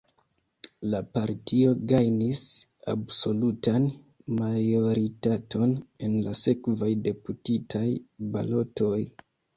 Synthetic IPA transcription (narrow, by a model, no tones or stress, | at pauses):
lapaɾtʰio̞ɡajnisa̰bso̞lutan | majo̞ɾitato̞ne̞nlase̞kvajde̞putitʰajba̰lo̞tʰo̞j